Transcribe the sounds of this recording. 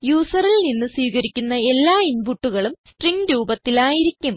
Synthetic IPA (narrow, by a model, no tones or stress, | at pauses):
juːsɐrilninːɨswiːɣɐɾikʲːunːɐe̞lːaːinbuʈːuɣɐɭumsʈriŋɡɾuːbɐt̪ːilaːjiɾikʲːum